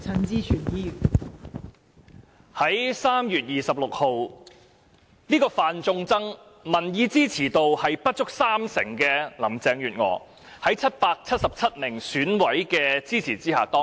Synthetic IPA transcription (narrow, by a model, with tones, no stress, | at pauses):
t͡sʰɐ˧˥nt͡siː˥t͡ʃʰy˨˩njiː˥˨ | hɐ˨˥jsaː˥mjyː˨t̚jiː˨˩sɐ˨p̚lʊ˨k̚ho˨w | niː˥kɔː˧faː˨nt͡sʊ˧ŋt͡sɐ˥ŋ | mɐ˨˩njiː˨˧t͡siː˥t͡sʰiː˨˩t̪o˨whɐ˨jpɐ˥t̚t͡ʃʊ˥k̚saː˥msɪ̰˨˩ŋkɛː˧lɐ˨˩mt͡sɛː˨˧ŋjyː˨t̚ŋɔ̰ː˨˩ | hɐ˨˥jt͡sʰɐ˥t̚paː˧k̚t͡sʰɐ˥t̚sɐ˨p̚t͡sʰɐ˥t̚mɪ˨˩ŋsyː˨˥nwɐ˨˥jkɛː˧t͡siː˥t͡sʰiː˨˩t͡siː˥ha̰ː˨˩t̪ɔː˥ŋ